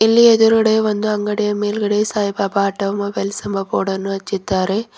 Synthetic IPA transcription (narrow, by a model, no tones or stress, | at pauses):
ɪlːiɛðɯɾɐɽeʋɐnd̪ɯɐŋɡɐɽɪjɐmeːlɣɐɽeːsaːjbɐpaːʈːɐʋmɐbɛlsɐmbɐpoːɽɐnːɯɐt͡ʃːɪt̪ːaːɾe